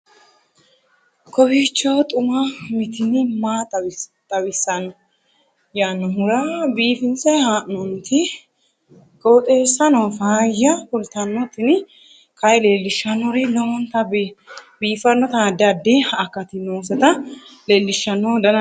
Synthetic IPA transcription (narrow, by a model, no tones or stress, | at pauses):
kʰɔbiːt͡ʃːoːt̪ʼʊmɐmɪt̪ɪnɪmaːt̪ʼɐwt̪ʼɐwɪsːɐnɔ | jaːnːɔɦʊɾɐbiːfɪnt͡sɐjhaːʔnɔnt̪ɪ | kʼoːt̪ʼeːsːɐnɔfaːjːɐkʊlt̪ɐnːɔt̪ɪn | kɐjle̞ːlːɪʃːɐnːɔɾɪlɐwɔnt̪ɐ | biːfɐnːɔt̪ad̪ɐd̪ːɪɐkːɐt̪ɪnoːsɛt̪ɐleːlːɪʃːɐnːɔd̪ɐnɐ